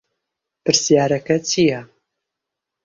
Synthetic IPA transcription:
pɨɾsijaːɾɐkɐt͡ʃʰijɐ

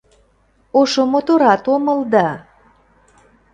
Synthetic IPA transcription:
oʃomot̪oɾɑt̪oməld̪ɑ

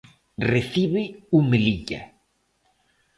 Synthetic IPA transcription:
reθiβɪumeliʎa̰

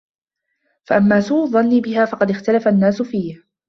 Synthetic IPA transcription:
faʔamːaːsuːʔðˤɑnːiːbɪɦaːfɑqɑd̪ɪxt̪alafanːaːsʊfiːh

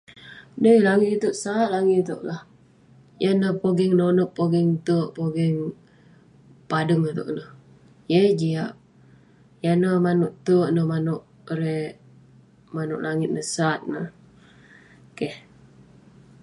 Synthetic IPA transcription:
nəlaŋɪt̪t̪oʔsat̪̚laŋit̪o̰ʔlah | janəpoɡəŋnonoʔpːoɡəŋt̪əʔpoɡɛŋ | padəŋat̪o̰ʔnəh | jəd͡ʒiaʔ̚ | janəmanʊʔt̪əʔnəmanʊʔ | ɾɛʔ | manʊ̰ʔlaŋɪt̪̚nəsat̪̚nəh | keh

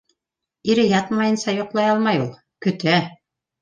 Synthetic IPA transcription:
iɾɘjɑt̪mɑjɤ̆nsɑjŏqlˠɑjɑlˠmɑjulˠ | kɵ̆t̪æ

